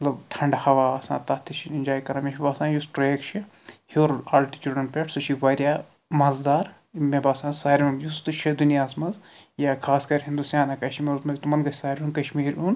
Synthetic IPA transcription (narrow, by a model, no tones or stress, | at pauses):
ɐt̪lɐbʈʰɐɳɖhɐʋaːɐsã̰ːt̪ɐt̪ʰːit͡ʃʰininʲd͡ʒaːjkɐɾãːmʲeɦʲibaːsãːjusɾeːkt͡ʃʰi | hioːɾɐlʈit͡ʃuɖɐnpʲeʈʰsɐt͡ʃʰiʋɐɾʲjaː | mɐzd̪aːɾ | mebaːsãːsaːɾʲmunjust̪ɨt͡ʃʰɐd̪unijaːsmɐnzjakʰaːskɐɾʲɦĩnd̪usjaːnɐkɐʃimeɾut̪mɐbʲit̪umɐnɡɐsʰʲsaːɾʲunkɐʃmiːɾun